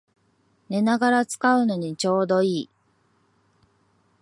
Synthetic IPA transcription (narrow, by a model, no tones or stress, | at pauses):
ne̞naɡaɾat͡sɨ̥kaɯ̟no̞ɲ̟it͡ɕo̞ːd̪o̞iː